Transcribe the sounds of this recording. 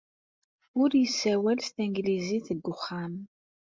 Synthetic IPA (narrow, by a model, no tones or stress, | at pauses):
ʊɾjəsːæwælst̪iŋɡliziθəɡːʊχːam